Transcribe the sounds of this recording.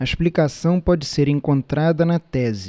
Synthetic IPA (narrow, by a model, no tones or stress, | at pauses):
ɐeʃplikasɐ̃w̃pɔd͡ʒɪseɾẽŋkõnt̪ɾad̪ɐnɐt̪ɛzɪ